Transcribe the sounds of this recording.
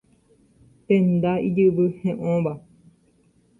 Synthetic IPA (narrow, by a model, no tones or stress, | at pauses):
pẽnd̪aid͡ʒɨβɨhẽʔõβa